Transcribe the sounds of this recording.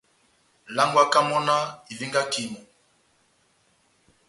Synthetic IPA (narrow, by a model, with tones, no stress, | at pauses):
la˦ŋɡwa˦ka˦mɔ˦na˦i˨vi˦ŋɡa˦ki˨mɔ˨